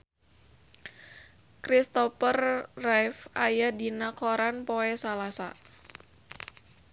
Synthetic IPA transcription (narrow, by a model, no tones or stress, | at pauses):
kɾist̪ɔpərːajfajadinakoɾanpoɛsalasa̰